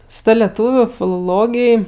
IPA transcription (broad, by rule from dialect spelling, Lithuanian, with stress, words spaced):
sʊ ˈtɐ lʲɛˈtuːʋʲʊ fʲɪlˠoːˈlˠoːɡʲɪj